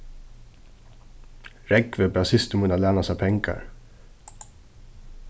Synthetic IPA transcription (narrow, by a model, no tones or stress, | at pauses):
ɹɛɡʋəbɑːsɪst̪mʉːnɑlæːnɑsæpʰɛŋkɑ̰ɹ